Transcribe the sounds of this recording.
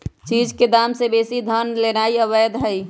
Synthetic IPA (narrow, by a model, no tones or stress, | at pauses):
t͡ʃiːd͡ʒked̪aːmsebeːsid̪ʱənlenaiəʋəd̪ɦəi